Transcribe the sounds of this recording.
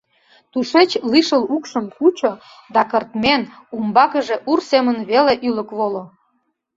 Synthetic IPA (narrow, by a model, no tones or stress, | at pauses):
t̪uʃet͡ɕliʃəlukʃəmkut͡ɕo | d̪ɑkərt̪men | umbɑkəʒeʔursemənβeleʔylə̆kβolo